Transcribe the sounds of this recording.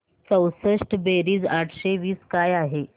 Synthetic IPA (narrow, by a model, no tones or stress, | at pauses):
t͡səwsəʂʈbeɾiːd͡zaʈʰɕeʋiːskajaɦe